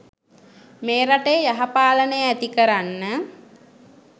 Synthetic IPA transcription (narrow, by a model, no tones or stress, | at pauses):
meːɾaʈejəjaɦapaːlənəjəæt̪ikəɾanːə